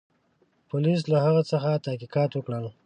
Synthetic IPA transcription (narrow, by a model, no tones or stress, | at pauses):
pʊlis̬laɦaɣat͡səxat̪ahkikɑːt̪wəkɽəl